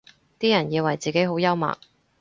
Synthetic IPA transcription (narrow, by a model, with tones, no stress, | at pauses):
t̪iː˥jɐ˨˩njiː˧wɐ˨˩jt͡siː˨ke˨˥jɦo˨˥wjɐ˥wma̰ː˨k̚